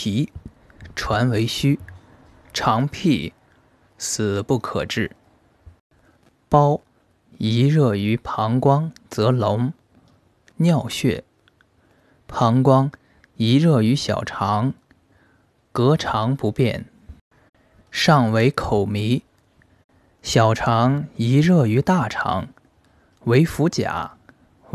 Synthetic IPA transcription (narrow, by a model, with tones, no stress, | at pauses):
i˧˥ | ʈ͡ʂʰwa˧˥nwe˧˥ɪɕy˥ | ʈ͡ʂʰɑ˧˥ŋpʰi˥˩ | sɹ̩˨˩pu˥˩kʰɤ̰˨˩ʈ͡ʂɻ̩˥˩ | pɑ˥ʊ | i˧˥ɻɤ˥˩y˧˥pʰɑ˧˥ŋkwɑ˥ŋt͡sɤ˧˥lʊ˧˥ŋ | njɑ˥˧ʊɕɥɛ̰˥˩ | pʰɑ˧˥ŋkwɑ˥ŋ | i˧˥ɻɤ˥˩y˧˥ɕjɑ̰˨˩ʊʈ͡ʂʰɑ˧˥ŋ | kɤ˧˥ʈ͡ʂʰɑ˧˥ŋpu˧˥pjɛ˥˩n | ʂɑ˥˩ŋwe˧˥ɪkʰo˨˩ʊmi˧˥ | ɕjɑ˨˩ʊʈ͡ʂʰɑ˧˥ŋi˧˥ɻɤ˥˩y˧˥t̪a˥˩ʈ͡ʂʰɑ̰˧˥ŋ | we˧˥ɪfu˧˥t͡ɕja̰˨˩˦